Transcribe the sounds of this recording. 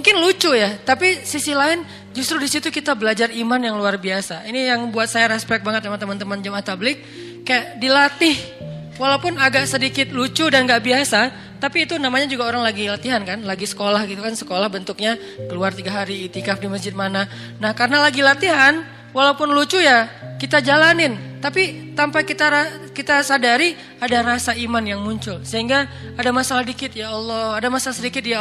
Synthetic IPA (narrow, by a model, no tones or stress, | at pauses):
muŋkɪnlut͡ʃujat̪apisisilaɪn | d͡ʒust̪ɾudisit̪ukit̪abəlad͡ʒarimanjaŋluarbiasaʔinijaŋbuat̪̚sajaɾɛspɛk̚baŋət̪̚amaŋt̪ːəmant̪əmand͡ʒəmaht̪ablɪk̚ː | ajaʔdilat̪ɪh | walaupʊnaɡaʔsədikɪt̪̚lut͡ʃudanɡaʔbiasa | t̪apiːt̪unamaɲad͡ʒuɡaoɾaŋlaɡilat̪iɦankanlaɡisə̥kolahɡit̪ukansə̥kolahbənt̪ʊk̚ɲa | kəluart̪iɡaɦaɾiːt̪ikafdiməsd͡ʒɪt̪̚mana | nahkarənalaɡilat̪iɦan | walaupʊnlut͡ʃujakit̪ad͡ʒalanɪnt̪apit̪ampakit̪aɾakit̪asadaɾi | adaɾasaimanjaŋmuɲt͡ʃʊlsəɦiŋɡaː | damasalahdikɪt̪jaɔlˠːɔhadamasalasədikɪt̪̚ja